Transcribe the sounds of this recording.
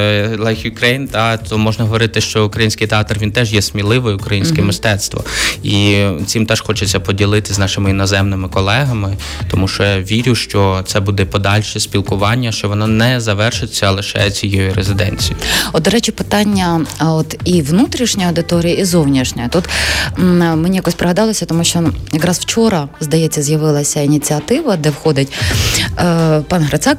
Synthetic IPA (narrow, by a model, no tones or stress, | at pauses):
lˠɐxʲʊkɾejnt̪t̪ɔmɔʒnɐɦɔʋɔɾɪt̪ɪʃt͡ʃɔʊkɾɐjinʲsʲkʲɪjt̪eɑt̪rʋʲint̪ɛʒjɛsʲmʲilˠɪʋɔjʊkɾɐjinʲsʲkɛmɪst̪ɛt̪st̪ʋɔ̰it͡ssʲimt̪ɛʃxɔt͡ʃet͡sʲːɐpɔdʲilˠɪt̪ɪznɑʃɪmɪinɔzɛmnɪmɪkɔlˠɛɦɐmɪ | t̪ɔmuʃt͡ʃɔjɑʋʲiɾʲʊʃt͡ʃɔt̪sɛbud̪ɛpɔd̪ɑlʲʃɛsʲpʲilˠkʊʋɑnʲːɐʃt͡ʃɔʋɔnɔnɛzɐʋɛrʃɪt͡sʲːɐlˠɪʃɛ̰t͡sʲijɛjiɾezɪd̪ɛ̰nʲt͡sʲijiɔd̪d̪ɔɾɛt͡ʃɪpɪt̪ɑnʲːɐɔt̪iʋnut̪ɾʲiʃnʲɔjɐwd̪ɪt̪ɔɾʲijɐizɔwnʲiʃnʲɔjt̪ut̪ | menʲijɐkɔsʲpɾɐɦɐd̪ɑlˠɐsʲɐt̪ɔmuʃt͡ʃɔjɐkɾɑzw̥t͡ʃɔɾɐzd̪ɐjɛt͡sʲːɐzjɐʋɪlˠɐsʲɐinʲit͡sʲiɐt̪ɪʋɐd̪ɛwxɔd̪ɪtʲ | pɑnɦɾɐt͡s̪ɑk̚